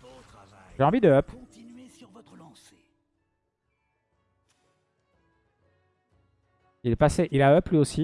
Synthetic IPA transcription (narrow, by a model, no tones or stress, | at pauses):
ʒeɑ̃vid̪əœp̪yʁvɔt̪χlɑ̃se | ilɛpaseʔilaœplɥiosi